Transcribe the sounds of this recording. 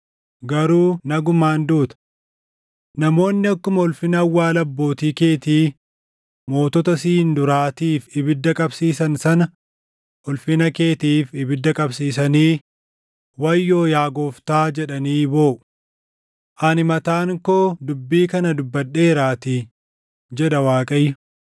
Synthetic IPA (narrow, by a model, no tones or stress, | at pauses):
ɡɐɾuːnɐɡʊmaːnd̪uːt̪ɐ̥ | nɐmo̞ːnːɪɐkːʊmɐɔlfɪnɐɐwːaːlɐbːo̞ːt̪iːke̞ːt̪iː | mo̞ːt̪ɔt̪ɐsiːnd̪ʊɾaːt̪iːfɪbɪd̪ːɐkʼɐbsiːsɐnsɐnɐ | ɔlfɪnɐke̞ːt̪iːfɪbɪd̪ːɐkʼɐbsiːsɐniː | wɐjːo̞ːjaːɡoːft̪aːd͡ʒɛᶑɐniːbo̞ːʔʊ̥ | ʔɐnɪmɐt̪aːŋkoːd̪ʊbːiːkɐnɐd̪ʊbːɐɗe̞ːɾaːt̪ɪ | d͡ʒɛᶑɐwaːkʼɐjʊ